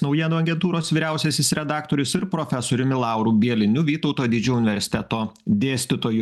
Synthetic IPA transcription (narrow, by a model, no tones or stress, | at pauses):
nɔʊjiɛnuɐɡʲɛnt̪uːɾoːsʋʲiːɾʲæˑʊsʲɛsʲɪsɾʲɛd̪ɑːk̚t̪oːɾʲʊsɪɾpɾoːfʲɛsoːɾʲʊmʲɪlˠɑˑʊɾuːbʲiɛlʲɪnʲʊʋʲiːt̪ɒʊt̪oːd̪ʲɪd͡ʒʲuːʊnʲɪʋʲɛɾʲsʲɪ̥t̪ʲɛt̪oːd̪ʲeːsʲt̪ʲɪt̪oːju